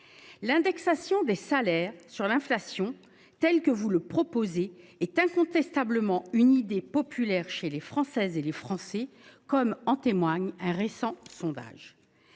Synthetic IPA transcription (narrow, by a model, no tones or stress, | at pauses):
lɛ̃d̪ɛksasjɔ̃d̪esalɛʁsyʁlɛ̃flasjɔ̃ | t̪ɛlkəvuləpχɔpozeːt̪ɛ̃kɔ̃t̪ɛst̪abləmɑ̃ynid̪epɔpʰylɛʁʃelefχɑ̃sɛzelefχɑ̃sɛkɔmɑ̃t̪emwaɲɛ̃ʁesɑ̃sɔ̃d̪a̰ʒ